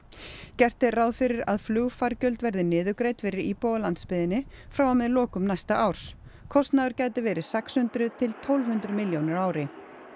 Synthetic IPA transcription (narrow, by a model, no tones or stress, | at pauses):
cɛr̥t̪ɪraðfɪɾɪɾa̰ðflʏɣfaɾcœlt̪vɛɾðɪnɪːðʏkɾeːjt̪fɪɾɪɾipɔwlant̪spɪðɪnːɪfɾawamɛðlɔːkʏmnajst̪aʔaːwɾ̥skʰɔst̪naðʏɾcaːjt̪ɪvɛːɾɪ̥sɛkshʏnt̪ɾʏt̪ʰɪlt̪ʰɔwlv̥hʏnt̪ɾʏmɪljownɪɾaːwɾɪ